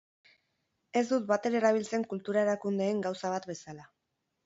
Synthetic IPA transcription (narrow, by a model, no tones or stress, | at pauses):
e̞zd̪ut̪bat̪e̞ɾae̞ɾaβ̞ilt͡se̞ŋkult̪uɾae̞ɾakund̪e̞ːŋɡawsaβ̞at̪be̞sala